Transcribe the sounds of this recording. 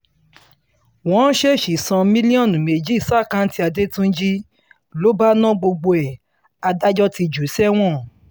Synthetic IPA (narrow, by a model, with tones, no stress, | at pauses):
wɔ̃˨˦n̩˦ʃe˦˨ʃi˨sɔ̃˧mĩ˦li˦ɔ̃˦˨nũ˨me˨d͡ʒi˦i˦˨sa˦˨kã˦n̩˦ti˦a˧de˦tũ˦d͡ʒi˦ | lo˨˦ba˦nã˦ɡ͡bo˧ɡ͡bo˧ɛ˨ | a˧da˦d͡ʒɔ˦ti˧d͡ʒu˨˦sɛ˦w̃ɔ̃˦˨